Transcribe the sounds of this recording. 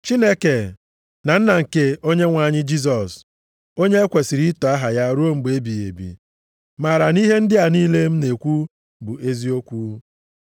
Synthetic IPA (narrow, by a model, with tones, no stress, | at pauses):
t͡ʃi˦ne˦ke˨ | na˨n̩˦na˨ŋ̩˨ke˦o˦ɲe˦ŋʷa˨ɲɪ˦d͡ʒi˦s̬ɔ˨s | o˦ɲe˦e˦kʷe˨si˨ɾi˦tɔ˨a˦ɦa˨ja˦ɾu˦o˦m̩˨be˦bi˨ḛ˨bḭ˨ | ma˨ɾa˨ni˦ɦe˦n̩˦dɪ˦a˨niː˦le˦m̩˦ne˨kʷu˦ | bʊ˨e˦zi˦o˦kʷu˦